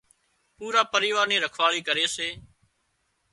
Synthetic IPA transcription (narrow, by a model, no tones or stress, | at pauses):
puːɾaːpəɾiːʋaːɾniːɾəkʰʋaːɭiːkəɾeːseː